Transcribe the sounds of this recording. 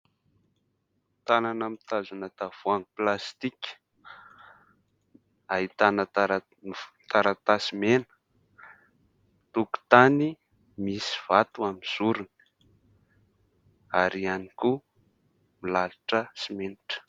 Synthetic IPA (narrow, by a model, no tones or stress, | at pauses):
t̪ananamit̪azunat̪av̥uaŋplast̪ikʲ | aɦit̪anəaɾ | t̪aɾat̪asimenə̥ | t̪uku̥t̪ani | misiv̥at̪uamiz̥uɾunə | aɾianiku | milalaʈ͡ʂəsimeniʈ͡ʂə̥